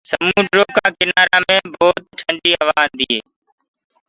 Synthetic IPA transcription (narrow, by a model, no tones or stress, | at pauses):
səmũːʈɾoːkãːkɪnaːɾaːmẽːboːt̪̚ʈʰəɳɖiːəʋaːɦənd̪iːɦeː